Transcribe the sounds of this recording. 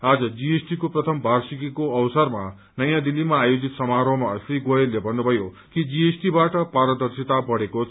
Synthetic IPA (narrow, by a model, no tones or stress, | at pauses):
ad͡zʌd͡ziesʈikoprʌt̪ʰʌmbʱarsikikoʌwsʌrma | nʌjãd̪ilːimaːjod͡zit̪sʌmaɾomaʌsriɡojelːebʱʌnːubʱʌjo | kid͡zijesʈibaʈʌpaɾʌd̪ʌrsit̪abʌɽeko